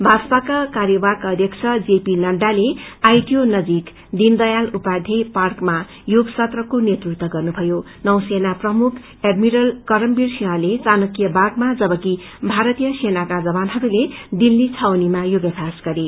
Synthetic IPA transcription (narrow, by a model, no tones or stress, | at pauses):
bʱat͡sp̪akakarjʌbakʌd̪ʱjʌkt͡sʰʌd͡zepinʌɳɖaleajʈijonʌd͡zik | d̪ind̪ʌjalupad̪ʱeparkma | joɡsʌt̪rʌkonet̪rut̪wʌɡʌrnubʱʌjo | nʌwsenaprʌmukʰ | eɖmiɾʌlkʌɾʌmbirsiɦãlet͡sanʌkːijʌbʱaɡmad͡zʌbʌki | bʱaɾʌt̪ijʌsenakad͡zʌbanɦʌɾuled̪ilːit͡sʰawnimajoɡʌpʰasɡʌɾe